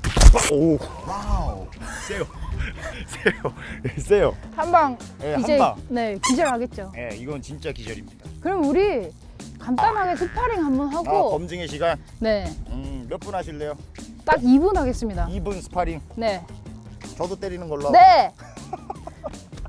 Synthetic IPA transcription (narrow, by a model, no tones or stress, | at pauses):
pʰaowa | s͈ejo | s͈ejojes͈ejohanbaŋ | jehiad͡ʑeane̞kid͡ʑʌɾɭɦaɡe̞t̚t͡ɕ͈oje̞iɡʌnnt͡ɕint͡ɕ͈akid͡ʑʌɾimɲid̥akɯɾʌmuɾi | kamt͈anɦaɡesʰɯpʰaɾiŋɦambʌnɦaɡokʌmd͡ʑiŋeɕʰiɡan | ne̞ɯmjʌp͈unɦaɕʰiɭːe̞jot͈aɡibunɦaɡe̞s͈ɯmɲidaibunsʰɯ̥pʰaɾiŋne̞ | t͡ɕʌdot͈eɾinɯnɡʌɭːone̞